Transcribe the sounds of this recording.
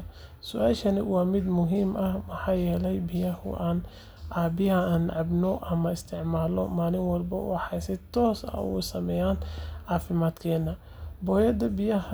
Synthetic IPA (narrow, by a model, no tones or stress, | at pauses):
sʊʔaːlʃɐnɪwɑːmɪd̪mʊɦiːmʔɐhmɐħɑːjɛːlɛjbɪjɐhʊ̰ʔaːn | ʕaːbɪɐaːnʕɑbnɔʔɐmɐɪst̪ʰɪʕmaːlɔ̰maːlɪŋwɐlbɐ̰ħɑjsɪt̪ʰɔːsɐ̰ṵsɐmɛːjaːnʕɑːfɪmaːd̪kʰɛːnːɐ | bɔːjɐd̪ɐbɪjɐɦɐ